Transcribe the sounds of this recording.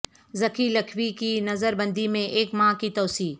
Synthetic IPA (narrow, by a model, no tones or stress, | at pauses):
zɐkʰilɐkʰwikinɐzəɾbɐ̃nd̪imẽʔeːkmãːkit̪ɔːsiː